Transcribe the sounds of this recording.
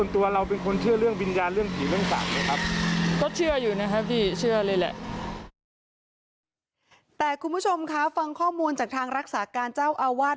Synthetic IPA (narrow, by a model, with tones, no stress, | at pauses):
ənt̪u˧ɐɾa˧wpe˧nkʰo˧nt͡ɕʰɯ˥˩ɐɾɯ˥˩əŋwi˧njaː˧nɾɯ˥˩əŋkʰiː˨˩˦ɾɯ˥˩əŋsa̰ː˨˩k̚lɤː˧˩jkʰɾa˦˥p̚kɔː˥˩t͡ɕʰɯ˥˩ɐjuː˨˩na˦˥kʰa˦˥pʰiː˥˩t͡ɕʰɯ˥˩ɐlɤː˧jlɛ̰˨˩ʔ | t̪ɛː˨˩kʰu˧nmbʰu˦˥t͡ɕʰo˧mkʰa˦˥fa˧ŋkʰɔː˥˩muː˧nt͡ɕaː˨˩k̚t̪ʰaː˧ŋɾa˦˥k̚saː˩˦kaː˧nt͡ɕaː˥˩wʔaː˧waː˥˩t̪